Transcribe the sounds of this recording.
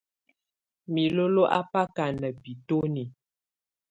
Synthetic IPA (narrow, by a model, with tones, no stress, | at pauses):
mi˨lo˦lo˦ʔa̰˦pa˦ka˨nə˨pi˨to˦ni˨